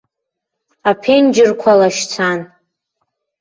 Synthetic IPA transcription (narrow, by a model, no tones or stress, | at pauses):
apʰend͡ʒɪrkʷʰalaʃt͡sʰan